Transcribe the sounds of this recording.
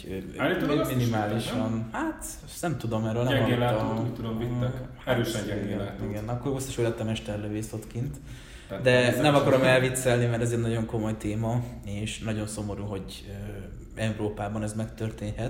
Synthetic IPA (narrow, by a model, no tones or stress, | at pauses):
minimaːliʃɒnhat̪ | nɛmt̪ud̪o̞mɛrøːlnmaot̪ud̪omviɛhøɛiɛiɡɛnɒkːorbostːɛ̥ʃøːlɛt̪ːɒmɛʃt̪ɛrløveːso̞t̪kint̪ | d̪ɛnnɛmɒkɒɾo̞mɛlvit̪sɛlnimɛɾtɛzeːnɒɟoŋko̞mo̞jt̪eːmɒeːʃnɒɟo̞nso̞mo̞ɾuɦo̞ɟ | ø | ɛuɾoːpaːbɒnɛzmɛkt̪ørt̪eːɲhɛt̪